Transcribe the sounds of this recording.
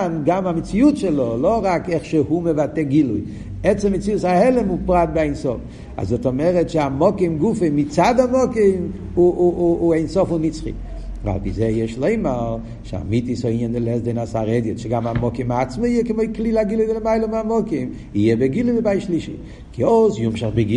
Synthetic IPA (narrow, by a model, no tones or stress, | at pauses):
nɡamamit͡sijutʃɛlɔlɔʁakɛχʃɛhuməvatɛɡiluj | ɛt͡sɛmit͡siusahɛlɛmupɾat̚bɪaensɔf | a̰zɔtɔmɛʁɛtʃɪamɔkimɡufemɪt͡sadamɔkim | uejnsɔfunit͡sχḭ | va̰lˠbizejɛʃlˠeɪma | ʃa̰mitishɔiɲəndɪlˠɛzdenasaɾɛdjɔtʃɪɡamamɔkimat͡sməiəkɪmoɪklˠilaɡilˠujvɪləmaɪlˠəmamɔkim | iɛbɛɡilˠujbɪbajʃliʃḭ | kʰɪosjumʃaχbɪɡi